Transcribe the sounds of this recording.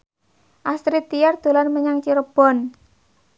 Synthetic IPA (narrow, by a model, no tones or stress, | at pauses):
ʔast̪ɾit̪ijard̪̥o̤lanməɲaŋt͡ʃiɾəb̥ɔ̤n